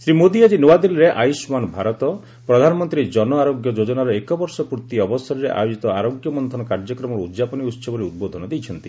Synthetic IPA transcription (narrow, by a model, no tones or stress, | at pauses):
sɾimod̪iad͡ʒinowad̪ilɾeʔajusmanɔbʱaɾɔt̪ɔ | pɾɔd̪ʱanɔmɔnt̪ɾid͡ʒɔnɔaɾoɡjɔd͡ʒod͡ʒɔnaɾɔekɔbɔɾsɔpuɾt̪iɔbɔsɔɾiɾeʔa̰jod͡ʒit̪ɔaɾoɡjɔmɔnd̪ʱɔnɔkaɾd͡ʒɔkɾɔmɔɾɔud̪d͡ʒapɔniut̪sɔbɔɾiud̪̚bod̪ʱɔnɔd̪ejt͡ʃʰɔnt̪ḭ